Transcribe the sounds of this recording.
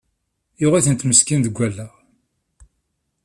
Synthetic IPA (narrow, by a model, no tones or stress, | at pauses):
jʊʁiθənt̪məskinðəɡʷːælːæʁ